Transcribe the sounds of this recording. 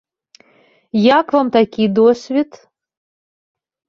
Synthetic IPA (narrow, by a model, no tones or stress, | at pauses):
jakvamt̪akʲid̪osʲvʲit̪